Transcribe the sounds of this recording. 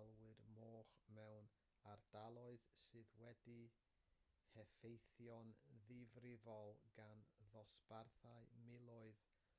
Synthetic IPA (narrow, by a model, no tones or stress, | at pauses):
lˠwɨrmoːχmɛwn | ard̥alˠɔɨðsɨːðwɛdi | hɛfejθjɔnðɪvrɪvɔlˠɡanðɔsparθaɨmɪlˠɔɨð